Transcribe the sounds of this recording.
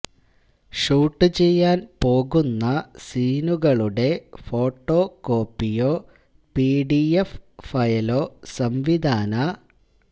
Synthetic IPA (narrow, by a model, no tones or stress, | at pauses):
ʂuːʈːɨt͡ɕe̞jːaːnpo̞ːɣunːɐsiːnuɣɐɭuɽe̞fo̞ːʈːo̞ːko̞ːpːijo̞ː | piːɖieffɐjɐlo̞ːsɐmʋid̪ʱaːnɐ